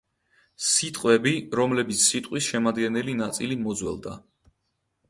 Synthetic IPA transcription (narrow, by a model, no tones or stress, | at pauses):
sit̪ʼqʼwɛbiɾɔmlɛbit̪sʰsit̪ʼqʼwisʃɛmad̪ɡɛnɛlinat̪sʼilimɔd̪zwɛ̰lˠd̪a̰